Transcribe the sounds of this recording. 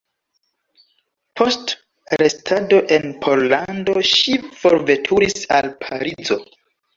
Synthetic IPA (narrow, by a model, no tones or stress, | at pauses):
pʰo̞st | ɾe̞stʰado̞ʔe̞npʰo̞ɾlando̞ʃifo̞ɾve̞tʰuɾisa̰lpʰaɾid͡zo̞